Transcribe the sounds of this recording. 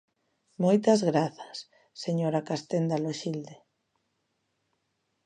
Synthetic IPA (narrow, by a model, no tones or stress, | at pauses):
mojt̪azɣɾaθḁsː | eɲoɾakast̪end̪aloʃild̪e